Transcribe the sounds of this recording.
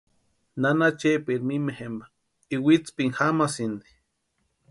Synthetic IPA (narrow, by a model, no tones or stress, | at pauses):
nanat͡ʃepiɾmimehemba | iwit͡spiŋxamasind̪i̥